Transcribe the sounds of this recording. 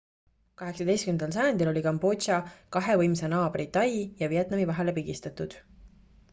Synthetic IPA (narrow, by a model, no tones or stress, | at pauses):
kɑɦe̞ksɑd̪e̞jst̪kymend̪ɑls̬ɑjɑnd̪ilo̞lʲikɑmbo̞ʃɑkɑɦe̞vɤjmsenɑːbrit̪ːɑjijɑviet̪ˑnɑmivɑɦe̞le̞piɡist̪ɑt̪ˑud̪̥